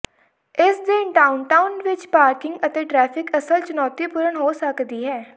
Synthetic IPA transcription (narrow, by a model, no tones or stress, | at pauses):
ɪsd̪ɪnʈaːʊnʈaːʊnʋɪt͡ʃpaːɾkɪŋɡət̪eːʈɾɛːpʰɪkəsəlt͡ʃʊnɔːt̪iːpʊɾəɳɦoːsəkd̪iːɦɛː